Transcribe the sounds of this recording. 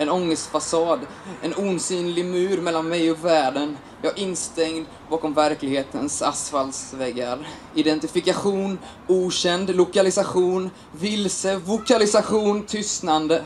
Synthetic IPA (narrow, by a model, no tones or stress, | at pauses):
ɛnɔŋːəst̪fasɑːd̪ | ɛnuːnsyːnlɪɡmʉ̟ːɾmɛlːanmɛjɔkvæːɖən | jɑ̰ːʔɪnːst̪ɛŋd̪ | bɑːkɔmvæɾklɪɡheːt̪ʰə̰nsasfalsvɛɡːaɾ | ɪd̪ɛnt̪ɪfɪkaɧuːn | uːɕɛnd̪lʊkalɪsaɧuːn | vɪlsəvʊkalɪsaɧuːnt̪ʰʏst̪nand̪ə